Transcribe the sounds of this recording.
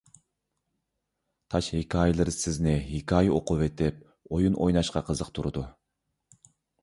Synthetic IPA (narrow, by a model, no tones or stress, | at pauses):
t̪ʰɑʃhikʰɑːjɪlˠɨɾsɪznɪɦikʰɑːjioqʊvet̪ʰɪp̚ | ojunʔojnɑʃqɑqʰəzəqt̪ʰuɾɨd̪u